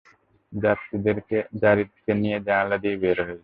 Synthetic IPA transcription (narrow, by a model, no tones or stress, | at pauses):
d͡ʒat̪ːid̪eɾked͡ʒaɾit̪ʰːi̥kenijed͡ʒaːlad̪iebeɾɦoj